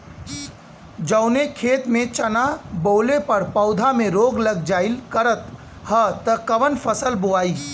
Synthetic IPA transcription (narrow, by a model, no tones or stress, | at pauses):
d͡ʒəʊnekʰeːt̪mẽt͡ʃɐnaboːlepɐɾpɐʊd̪ʱamẽɾoːɡləɡ̚d͡ʒaːɪlkəɾət̪ | hət̪əkɐʋənpʰəsəlboaːiː